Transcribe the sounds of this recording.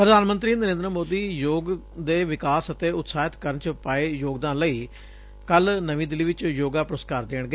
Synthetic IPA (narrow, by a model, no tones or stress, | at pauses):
pɾəd̪ʱaːnmə̃nt̪ɾiːnəɾẽːnd̪ɾəmoːd̪iːjoːɡ | d̪eːʋɪkaːsət̪eːʊt̪saːɪt̪kəɾənt͡ʃəpaːeːjoːɡd̪ãːnləiː | kəlnəʋĩːd̪ɪliːʋɪt͡ʃjoːɡaːpɾoːskaːɾd̪eːɳ̃ɡəeː